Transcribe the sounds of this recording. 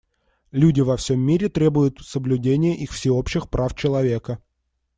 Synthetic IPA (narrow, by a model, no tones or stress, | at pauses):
lʲudʲɪvɐfsʲo̞mʲːiɾʲɪt̪ɾʲe̞bʊjʊt̪səblʲʉdʲenʲɪjəʔixfsʲɪo̞pɕːɪxpɾʔaft͡ɕɪlˠɐvʲe̞kə